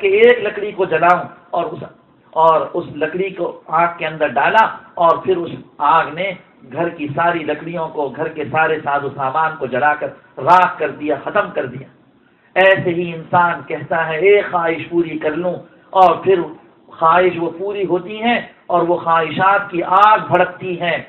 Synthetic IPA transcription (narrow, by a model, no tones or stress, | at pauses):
keeːklɐkɽikod͡ʒɐlaːõɔːɾʊs | ɔːɾʊslɐkɽikoãːk̚kːeɐ̃nd̪əɾɖaːlaɔːɾpʰɪɾʊsaːɡne | ɡʱɐɾkisaːɾilɐkɽijõkoɡʱɐɾkesaːɾesaːzosaːmaːnkod͡ʒɐɽaːkɐɾ | ɾaːɦkɐɾd̪ijaxɐt̪əmkɐɾd̪ijaː | ɛːseɦiɪnsaːnkɛɦt̪aɦɛeːxaːɦɪʃpuːɾikɐɾlũ | ɔːɾpʰɪɾ | xaːɦɪʃʋopuːɾiɦoːt̪iɦɛ̃ | ɔːɾʋoxaːɦɪʃaːt̪kiʔaːɡ̚bʱɐɽək̚t̪iɦɛ̃ː